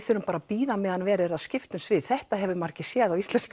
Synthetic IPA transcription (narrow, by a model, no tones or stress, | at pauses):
θʏɾʏmpaːɾapiːðamɛːðanvɛːɾɪɾaðscɪft̪ʏmsvɪðθɛht̪aɦɛvʏmar̥cɪsjɛːðawist̪lɛnsk